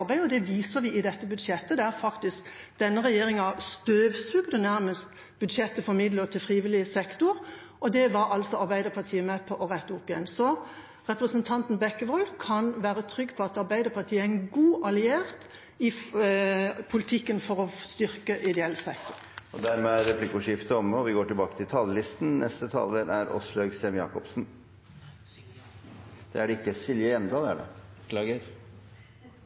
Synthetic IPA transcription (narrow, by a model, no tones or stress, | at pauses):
bæɪɔd̪ɛʋiːsəɾʋɪʔɪd̪ɛt̪ːəbʉd̪ʃjɛt̪ːəd̪ɛæɾfɑkt̪ɪskd̪̥ɛnːəɾɛjeːɾɪŋɑst̪øːʋsʉɡd̪ənæɾməst̪ | b̥ʉd̪ʃjɛt̪ːəfɔɾmɪd̪lət̪ʰɪlfɾiːʋɪlɪəsɛkt̪ʊɾ | ʔɔd̪ɛʋɑɾɑlsɔɑɾbæɪd̪əpʰɑt̪ʰiːəmɛpʰɔʔɔɾɛt̪ːʊpːɪjɛ̰nsɔ | ʁɛpɾəsənt̪ʰɑnt̪n̩bɛkːəʋɔlkʰɑnʋæːɾət̪ʰʁʏɡːpʰɔɑt̪ɑɾbæɪd̪əpʰɑt̪ʰiːəæɛnɡuːʔɑlɪeːʁt̪ | ɪ | pʰʊlɪt̪ʰɪkːənfɔɾɔst̪ʏɾkəʔɪd̪ɛɛlsɛkt̪ʊɾɔd̪æɾmɛæɾɾɛpʰlɪkʊʂɪft̪əɔmɔʋɪɡoːʈɪlbɑːkə̥t̪ʰɪlt̪ʰɑːlːəlɪst̪n̩nɛst̪ət̪ʰɑ̰ːləɾæɾɔ̰sfløɡsɛmjɑ̰ːkɔpsn̩ | d̪̥ɛæɖɛɪkːəsɪljəjɛmd̪ɑːd̪æ̰ɖɑ̰ | ɡə